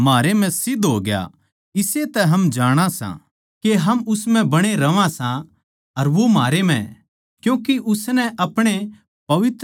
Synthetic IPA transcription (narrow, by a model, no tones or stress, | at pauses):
maːɾem̤ɛ̃sɪd̪ɦoːɡja̰ | ɪset̪ɛɦɐmd͡ʒaːɽ̃ãsã̰ | keɦɐmʊsmɛ̃bɐɽ̃eɾɐʋãsã | ɐɾʋomaːɾem̤ɛ̰̃ | kjũːkiʔʊsnɛʔɐpɽ̃e | pɐʋɪt̪